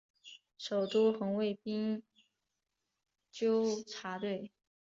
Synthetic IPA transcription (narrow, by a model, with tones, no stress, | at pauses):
ʂo˨˩ʊt̪u˥xɤ˧˥ŋwe˥˩ɪpi˥ŋ | t͡ɕjo˥ʊʈ͡ʂʰa˧˥t̪we˥˩ɪ